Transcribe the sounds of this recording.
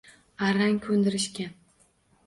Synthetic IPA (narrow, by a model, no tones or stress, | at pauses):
aɾaŋʲkʲʰɵnd̪ɪɾɪʃkʲan